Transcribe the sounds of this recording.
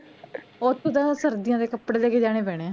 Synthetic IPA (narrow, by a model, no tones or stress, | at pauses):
oːt̪ud̪ãːsəɾd̪ɪjãːd̪eːkəpːɽeːleːkeːd͡ʒaːɽ̃eːpɛːɽeːãː